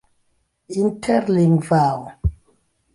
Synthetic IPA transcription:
intʰɛɾliŋɡvaw

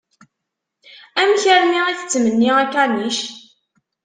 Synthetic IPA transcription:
æmçəɾniʁiθət͡sːmənːiʁækːæniʃ

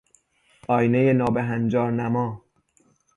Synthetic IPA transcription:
ʔɒːjnejenɒːbeɦænd͡ʒɒːɾnæmɒː

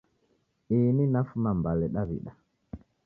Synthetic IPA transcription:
ininafumambalɛɗaβḭɗa

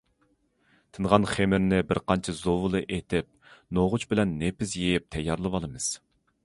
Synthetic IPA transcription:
t̪ʰɨnʁɑnχemɪɾnɪbɪɾqʰɑnt͡ʃʰɛzowɨlˠɨʔet̪ʰɪp̚noʁʊt͡ʃbɪlɛnːepɪsjejɪp̚t̪ʰɛjːɑɾlˠɨbɑlˠɨmɨz̥

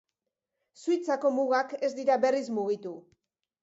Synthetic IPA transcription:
sujt͡sako̞muɣake̞zd̪iɾabe̞rismuɣit̪u

